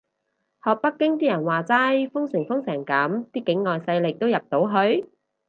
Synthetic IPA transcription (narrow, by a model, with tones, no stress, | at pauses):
hɔː˨k̚pɐ˥kːɪ˥ŋt̪iː˥jɐ˨˩nwaː˨t͡saː˥jfʊ˥ŋsɪ˨˩ŋfʊ˥ŋsɛː˨˩ŋkɐː˨˥mt̪iː˥kɪ˨˥ŋːɔː˨jsɐ˧jlɪ˨k̚t̪o˥wjɐ˨p̚t̪o˨˥wɦɵ˧ɥ